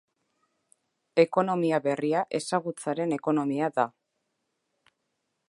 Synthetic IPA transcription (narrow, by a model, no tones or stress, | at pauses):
e̞ko̞no̞miaβe̞riaʔe̞saɣ̞ut͡saɾe̞ne̞ko̞no̞miaða